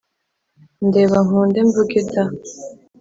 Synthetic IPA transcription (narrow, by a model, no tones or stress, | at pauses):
ndeːβaŋ̥uːndeɱvuɡita